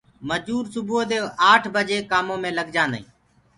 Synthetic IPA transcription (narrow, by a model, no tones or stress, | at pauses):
məd͡ʒuːɾsʊbʱoːd̪eːaːʈʰbəd͡ʒeːkaːmõːmẽːləɡd͡ʒãːndə̰ḭ̃ː